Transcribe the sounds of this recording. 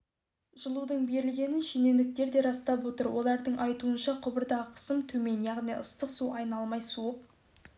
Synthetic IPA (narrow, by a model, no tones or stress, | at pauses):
ʒəlˠud̪əɴbe̞ɾɪlɡʲe̞nɪnʃine̞wnɪk̚t̪e̞ɾd̪e̞ɾɑst̪ɑpwo̞t̪əɾwo̞lˠɑɾd̪əɴʔɑjt̪uənʃɑqʰʊbəɾd̪ɑʁəqʰə̥səmt̪ʰɵme̞njɑʁnijʔʊst̪əqsuɑjnɑlˠmɑjsuəq̚